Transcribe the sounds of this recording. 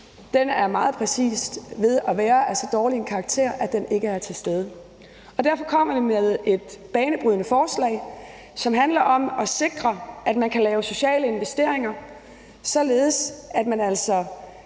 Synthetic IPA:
d̥enæɐmɑ̈ːð̞̩ˠpʰʁɛsḭːsd̥ʋe̝ð̞ˠæʋæːɐæsɒ̽d̥ɒːlienkʰɑ̈ɡ̥̚t͡sʰe̝̰ɐ̰ʔæd̥ene̝ɡ̥əæɐt͡sʰe̝sd̥eð̞ˠə | ɒ̽d̥æɐfɒ̽kʰɒ̽m̰ɐd̥emeðˠe̝d̥̚b̥ɛːnəb̥ʁyðˠnəfɒːslɛ̰ɪ̰ | sɒ̽mɦænlɐʔɒ̽mɒ̽se̝ɡ̥ʁɐʔæd̥mænkʰælɛːʊso̝ɕɛ̰ːləe̝nʋesd̥e̝ɐ̰e̝ŋɐ | sɒ̽le̝ːð̞̩ˠsæd̥mænæl̰sɒ̽

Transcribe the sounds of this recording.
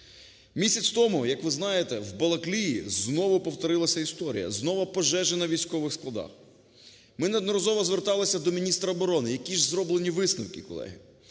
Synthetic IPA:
mʲisʲɐt͡sʲt̪ɔmʊjɐkʋɪznɑjet̪ɛwbɐlˠɐklʲijiznɔʋʊpɔwt̪ɔɾɪlˠɐsʲɐist̪ɔɾʲḭjɐ̰znɔʋɐpɔʒɛʒenɐʋʲijsʲkɔʋɪxsklˠɐd̪ɑ̰x | mɪnɐd̪nɔɾɐzɔʋɔzʋert̪ɑlˠɪsʲɐd̪ɔmʲinʲist̪ɾɐːbɔɾɔnɪjɐkʲiʒzɾɔblˠenʲiʋɪsnɐwkʲikɔlˠɛ̰ɦɪ

